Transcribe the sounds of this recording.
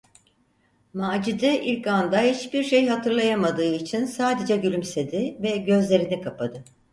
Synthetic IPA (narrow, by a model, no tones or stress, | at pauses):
maːd͡ʒid̪ɛʔilʲkand̪ahit͡ʃbiɾʃe̞jɦat̪ʰɯɾlˠajamad̪ɯːit͡ʃʰinsaːd̪e̞d͡ʒɛɟylʲymse̞d̪ɪvɛɟø̞zlʲe̞ɾinikʰapʰad̪ɯ